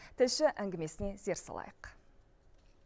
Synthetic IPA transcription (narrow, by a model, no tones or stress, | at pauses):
t̪ʰɪlʃɪʔæŋɡʲɪme̞sɪne̞ze̞ɾsɑ̰lˠɑ̰jəq